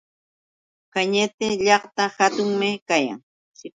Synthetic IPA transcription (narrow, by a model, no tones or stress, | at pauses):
kaɲɪt̪ɪʎɑχt̪ahat̪ʊŋmɪkaja̰ŋ | sɪ